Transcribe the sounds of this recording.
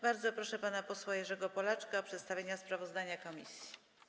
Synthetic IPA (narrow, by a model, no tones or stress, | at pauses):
baɾd̪zɔpɾɔʂɛpanapɔswajɛʐɛɡɔpɔlat͡ʂkaɔpʂɛt̪st̪avʲjeɲaspɾavɔzd̪aɲakɔmʲḭsʲji̥